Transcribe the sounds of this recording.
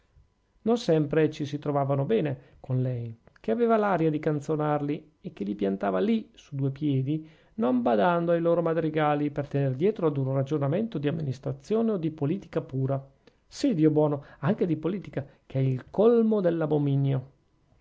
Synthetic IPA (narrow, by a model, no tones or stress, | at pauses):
nonsɛmpɾet͡ʃisit̪ɾovaːvanobɛːne | konlɛjkeaveːvalaɾjad̪ikant̪sonarli | ekːelipjant̪aːvalisud̪uːepjɛːd̪i | nombad̪and̪oajloːɾomad̪ɾiɡaːlipert̪enerd̪jɛːt̪ɾoad̪unrad͡ʒonament̪od̪iamːinist̪ɾat̪sːjoːneod̪ipoliːt̪i̥kapuːɾa | sid̪iːobwɔːnoaŋk̟ed̪ipoliːt̪ikakʰeɛilkolmod̪elːabominjo